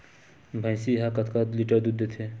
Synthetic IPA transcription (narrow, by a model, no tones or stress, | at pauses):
bʱãjsiɦakɐt̪ʰkad̪liʈəɾd̪ud̪et̪ʰe